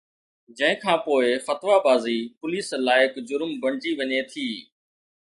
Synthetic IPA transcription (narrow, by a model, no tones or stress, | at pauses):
d͡ʒə̃ɦɪ̃kʰãːpoːɪfət̪ʋaːbaːziːpʊliːslaːɪkd͡ʒʊɾmbəɳd͡ʒiːʋəɲeːt̪ʰiː